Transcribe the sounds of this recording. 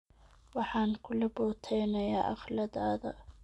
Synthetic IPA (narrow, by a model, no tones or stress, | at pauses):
wɑħɑːnkʰʊlɐbɔːt̪ʰɛjnɐjaːʔɑ̰χlɐðaːðɐ̰